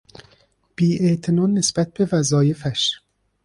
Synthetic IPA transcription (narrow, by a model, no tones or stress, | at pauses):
b̥iːʔet̪ʰinɒnːesb̥æt̪̚b̥evæzɒːjefæʃ